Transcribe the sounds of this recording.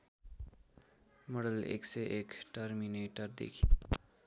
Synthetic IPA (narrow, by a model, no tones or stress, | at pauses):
mʌɽʌlḛksʌjʔekʈʌɾmineʈʌrd̪ḛkʰi